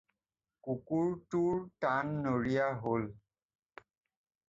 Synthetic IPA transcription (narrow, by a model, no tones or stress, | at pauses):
kukuɹtuɹtanːoɹijaɦol